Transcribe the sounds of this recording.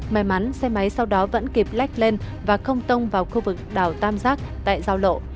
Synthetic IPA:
ma˨˦jma˨˦nsɛ˧ma˨˦jsa˧wɗɔ˨˦və̰˧˥nki˨˩p̚la˦˥jk̟̚le˧nvaː˨˩xə˧wŋ͡mt̪ə˧wŋ͡mvaː˨˩wxu˧vɨ˨˩k̚ɗaː˨˩wt̪aː˧mzaː˦˥k̚t̪a̰ː˧˨jzaː˧wlo̰˧˨

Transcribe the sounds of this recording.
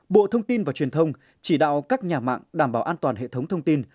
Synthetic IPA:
ɓo̰˧˨t̪ʰə˧wŋ͡mt̪i˧nvaː˨˩t͡ɕwi˨˩ənt̪ʰə˧wŋ͡m | t͡ɕi˧˩ɗa̰ː˧˨wkaː˦˥k̚ɲaː˨˩ma̰ː˧˨ŋɗaː˧˩mɓaː˧˩ʔaː˧nt̪waː˨˩nɦḛ˧˨t̪ʰə˨˦wŋ͡mt̪ʰə˧wŋ͡mt̪i˧n

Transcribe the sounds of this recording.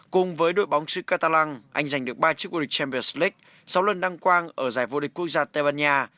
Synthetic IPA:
kʊ˨˩ŋ͡mvəː˨˦jɗo̰˧˩˨jɓa˨˦wŋ͡msɨ̰˧˥kaː˧t̪aː˧la˧ŋʔa˧jŋ̟za˨˩jŋ̟ɗɨ˨˩ək̚ɓaː˧t͡ɕɨ˦˥k̚vo˧˩i˨˩t͡ɕɛ˧mpi˧˨˩sli˦˥k̚ | sa˨˦wlə˨˩nɗa˧ŋkwaː˧nʔəː˧˩zaː˧˩jvo˧ɗï˨˩k̟kːu˦˥ək̚zaː˧t̪a˧˩ɓaː˧nɲaː˧

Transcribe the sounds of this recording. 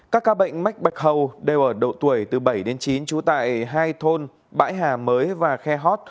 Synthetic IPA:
kaː˦˥kːaː˧ɓə̰˧˨jŋ̟ma˦˥k̚ɓa˨˩jk̚ɦə˨˩wɗe˨˩wʔəː˧˩ɗə̰˧˨wt̪u˧˩əjt̪ɨ˨˩ɓə˧˩jɗe˨˦nt͡ɕi˨˦nt͡ɕu˨˦t̪a̰ː˧˨jɦaː˧jt̪ʰo˧n | ɓa̰ː˧˥jɦaː˨˩məː˨˦jvaː˨˩xɛ˧ɦɔ˦˥t̚

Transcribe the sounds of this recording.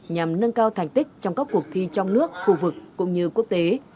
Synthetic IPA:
ɲa˨˩mnə˧nkaː˧wt̪ʰa˨˩jŋ̟t̪ï˦˥k̟̚t͡ɕɔ˧wŋ͡mkaː˦˥k̚ːu˨˩ək̚t̪ʰi˧t͡ɕɔ˧wŋ͡mnɨ˦˥ək̚xu˧vɨ˨˩k̚ːʊ̰˧˥ŋ͡mɲɨ˧ku˦˥ək̚t̪e˨˦

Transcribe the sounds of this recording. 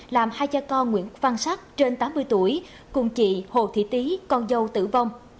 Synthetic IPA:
laː˨˩mhaː˧jt͡ɕaː˧kɔ˧nŋwḭ˧˥ənva˧nsa˦˥k̚t͡ɕe˧nt̪aː˨˦mːɨ˧əjt̪u˧˩əj | kʊ˨˧˩ŋ͡mt͡ɕḭ˧˨ho̰˨˩t̪ʰḭ˧˩t̪i˨˦kɔ˧nzə˧wt̪ɨ̰˧˩və˧wŋ͡m

